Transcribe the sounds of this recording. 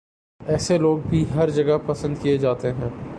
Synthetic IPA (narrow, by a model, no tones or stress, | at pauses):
ɛːseloːɡ̚bʱiɦɐɾd͡ʒɐɡəpɐsə̃nd̪kijed͡ʒaːt̪eɦɛ̃ː